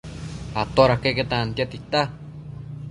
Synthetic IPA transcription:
at̪oɾakeket̪ant̪jat̪it̪a

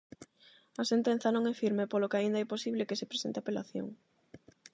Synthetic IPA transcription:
ɐsent̪en̟θɐnõŋɛfiɾmepolokeaind̪aɛposiβlekesepɾe̥sent̪eapelaθjo̰ŋ

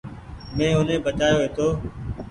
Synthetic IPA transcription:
mẽːʊnẽːbət͡ʃaːjoːɦeːt̪oː

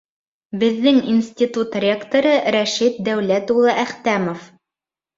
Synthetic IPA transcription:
bɘ̆ðːɘŋinsʲt̪ʲit̪ut̪rʲe̞kt̪oɾɤɾæʃit̪̚d̪æwlæt̪ulˠɤʔæχt̪æmof

